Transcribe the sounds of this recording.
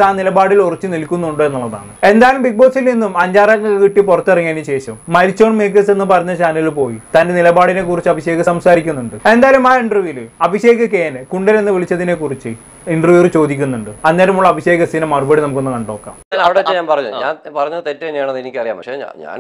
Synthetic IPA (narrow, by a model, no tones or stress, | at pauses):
aːnilɐbaːɽilorit͡ɕːɨnilkʲːunːuuɳɖoe̞nːuɭːɐða̰ːɳɨe̞nd̪aːɐlumbik̚boːksilninːumɐɲd͡ʑaːɾɐŋːɐkːɨkiʈːipurɐt̪ːɐriŋːaːniɕe̞ːɕɐmːɐɾit͡ɕːo̞ːɳmeːk̬ːɐse̞nːɨpɐrɐɲːɐɕaːnɐilpo̞ːjit̪ɐnde̞nilɐbaːɽine̞k̬ːurit͡ɕːɨɐbʱiɕe̞ːɣɐɐmsaːɾikʲːunːuɳɖɨe̞nd̪aːɐlumaːiɳɖrɨʋjulɨɐbʱiɕe̞ːɣɐkeːnɨkuɳɖɐɾenːɨʋiɭit͡ɕːɐðinekurit͡ɕːɨ | iɳɖrʋjurɨt͡ɕo̞ːd̪ikʲːunːuɳɖɨɐnːaːɐlumuɭːɐbʱiɕeːɣɐsinɐmːɐrubɐɽinɐmukːonːɨkɐɳɖo̞ːkːa̰ːmaɐɽeɐɲaːnpɐrɐɲːuɲaːnpɐrɐɲːɐðɨt̪etːɐenjaːɳɐðenikʲːɨɐrija̰ːmɐea̰ɲa̰ːn